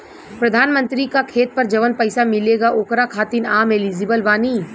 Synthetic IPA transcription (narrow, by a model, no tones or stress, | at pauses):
pɾɐd̪ʱaːnmə̃nt̪ɾikakʰeːt̪̚pɐɾd͡ʒɐʋənpɐɪsamɪleːɡaʔoːkɾakʰaːt̪inaːmeliːd͡ʒɪbəlʋaːni